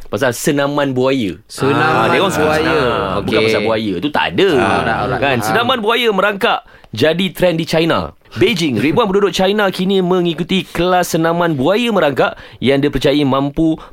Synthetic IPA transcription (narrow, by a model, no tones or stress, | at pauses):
pas̬alsənãmãnbuajə̰ | snaadeŋɔŋsajəbukkapaasabuajəit̪ut̪a̰a̰dəkansənãmãnbuajəmə̃ɾaŋkaʔ | d͡ʒadit̪ɾɛndit͡ʃajna̰ | bed͡ʒɪŋɾibuanpənudʊʔ̚t͡ʃajnakinimə̃ŋikut̪ikəlasːənãmãnbuajəmə̃ɾaŋkaʔ | jaŋdipərt͡ʃajimãmpu